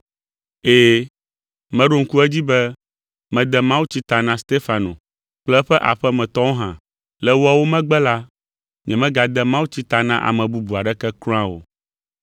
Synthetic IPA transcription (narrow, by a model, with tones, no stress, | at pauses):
eː˨ | mɛ̃˦ɖo˦ŋ̩˦ku˦ɛ˦d͡ʑi˦bɛ˦ | mɛ̃˨d̪ɛ˦mã˦wu˦t͡ɕi˦t̪a˨nã˦st̪e˦fa˨nõ̰˨ | k͡plɛ˦ɸɛ˦ʔa̰˨ɸɛ˦mɛ̃˨t̪ɔ̃˦wo˦ɦã̰˨ | lɛ˦wo˦a˨wo˦mɛ̃˦ɡ͡bɛ˦la˦ | ɲɛ̃˨mɛ̃˦ɡa˨d̪ɛ˦mã˦wu˦t͡ɕi˦t̪a˨nã˦ʔa̰˨mɛ̃˨bu˦bu˨a˨ɖɛ˦kɛ˦klɔ̃˦ã˦wo̰˨